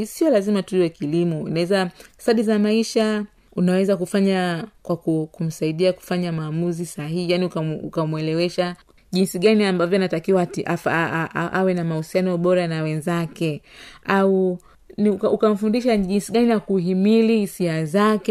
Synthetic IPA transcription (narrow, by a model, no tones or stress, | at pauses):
siɔlazimatuiwɛkilimɔḭnawɛzastaɗizamaiʃa | unawɛzakufaɲakwakukum̩saiɗiaku̥faɲamaːmuzisaɦihijaniukaukamwɛlɛwɛʃa | ʄinsiɠaniambavjɔnatakiwatiʔafʔʔawɛnamahusianɔɓɔɾanawɛnzakɛau | nkukam̩fundiʃaʄinsiɡanijakuɦimilihisiazakɛ